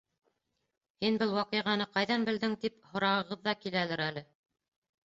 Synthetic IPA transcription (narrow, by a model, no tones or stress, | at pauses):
hinbɘlˠwɑqɤ̆jʁɑnɤqɑjðɑnbɘ̆ld̪ɘŋt̪iphŏɾɑʁɤ̆ʁɤðːɑkilælɘɾælɘ